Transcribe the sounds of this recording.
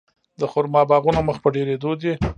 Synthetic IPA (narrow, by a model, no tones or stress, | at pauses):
d̪əxʊɾmɑbɑɣunoməxpəɖeɾed̪od̪i